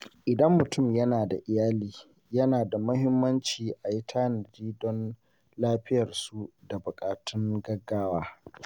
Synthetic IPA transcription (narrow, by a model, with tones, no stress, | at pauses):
ʔɪ˨dɐ˦mːʊ˨tʊ˦˨mjɐ˦naː˨da̰˨ʔɪ˨jaː˦liː˦ | jɐ˦naː˨da˨mʊ˦ɦɪ˦mːɐ˦nt͡ʃiː˨ʔa˨ji˦tʰaː˦nɐ˨diː˦dɔ˦n | laː˦ɸɪ˦jɐ˨rsu˦da˨bʊ˨kʼaː˨tʊ˦ŋɡɐ˦ɡːaː˦waː˦